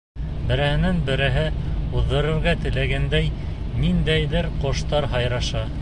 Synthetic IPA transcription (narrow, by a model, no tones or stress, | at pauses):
bɘ̆ɾɘ̆hɘ̆nænbɘ̆ɾɘ̆ɦɘuðːɤ̆ɾɤ̆ɾɡɑt̪ɘ̆læɡænd̪æj | nind̪æjðɘɾqŏʃt̪ɑɾɦɑjɾɑʃɑ